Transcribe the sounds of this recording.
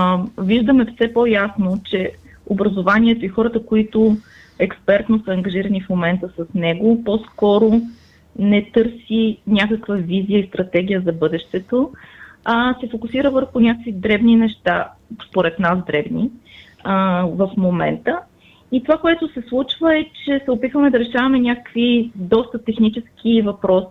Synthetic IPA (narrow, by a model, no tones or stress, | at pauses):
viʒd̪əmɛfsɛpɔjasnot͡ʃɛ | obɾɐzovanʲiɛt̪oixɔɾət̪əkoit̪ʊ | ɛkspɛɾt̪nosəːŋɡɐʒiɾənifmomɛnt̪əsɐsnɛɡopɔskɔɾo | nɛt̪ɤɾsinʲakəkvəviziəist̪ɾɐt̪ɛɡ̟ʲijəzɐbɤd̪ɛʃt̪ɛt̪o | asɛfokʊsiɾəvəɾxʊnʲakəkvid̪ɾɛbninɛʃt̪aspoɾɛt̪nasd̪ɾɛbni | vɐfmomɛ̰nt̪ə | it̪ovakoɛt̪ʊsɛslˠut͡ʃvəɛt͡ʃɛsɛopit̪vəmɛd̪ɐɾɛʃavɐmɛnʲakə̥kvid̪ɔst̪ət̪ɛxnit͡ʃɛsk̟ivɐpɾɔsi̥